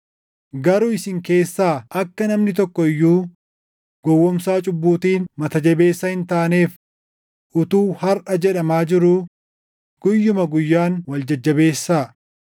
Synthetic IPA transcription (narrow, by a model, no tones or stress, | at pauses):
ɡɐɾʊɪsɪŋke̞ːsːaːɐkːɐnɐmnɪt̪ɔkːɔɪjːuː | ɡ̥ɔwːɔmsaːt͡ʃʼʊbːuːt̪iːnmɐt̪ɐd͡ʒɛbe̞ːsːɐhɪnt̪aːneːf | ʔʊt̪uːhɐɾʔɐd͡ʒɛᶑɐmaːd͡ʒɪɾʊ | ɡ̥ʊjːʊmɐɡʊjːaːnwɐld͡ʒɐd͡ʒːɐbe̞ːsːaː